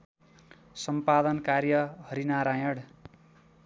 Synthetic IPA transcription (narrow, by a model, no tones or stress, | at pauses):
sʌmpad̪ʌnkarjʌɦʌɾinaɾajʌɽ